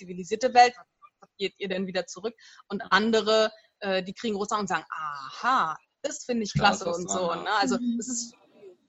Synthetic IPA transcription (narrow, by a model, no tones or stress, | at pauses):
t͡siviliziːɐtəvɛltvasɔ̥asɡ̥eːtʔiːɐdɛnviːdɐt͡suʁʏk̚ʔʊntʔandəʁə | ʔɛːdiːkʁ̥iːɡŋ̩ɡʁoːsʔaʊʊntz̥aːɡŋ̩ʔaːhḁ | ɪstfɪndɪɪçkʰl̥asəʊntz̥oːnəʔalzoɛsɪst